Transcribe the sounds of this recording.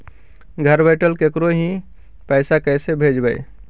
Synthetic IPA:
ɡʱəɾbəɪʈəlkekɾoɦĩ | pɛɪsakɛsebʱed͡ʒbəɪ

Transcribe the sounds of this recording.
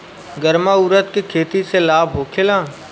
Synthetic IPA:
ɡəɾmaʊɾət̪kekʰeːt̪iselaːbʱɦoːkʰelãː

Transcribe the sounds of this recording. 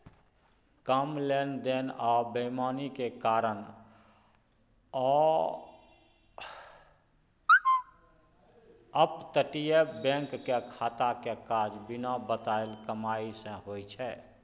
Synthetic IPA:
kəmlend̪enɔːbəmanikekaːɾən | ɔː | əpt̪əʈijebɛ̃ŋkːekʰaːt̪akekad͡ʒbɪnabət̪aelkəmaisə̃ɦojt͡ʃʰɛ

